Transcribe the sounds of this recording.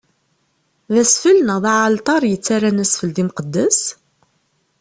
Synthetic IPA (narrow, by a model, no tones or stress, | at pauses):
ðæsfəlnəðˤɑʕalt̪ˤɑɾˤjət͡sːaɾːanæsfəld̪imqəd̪ːæs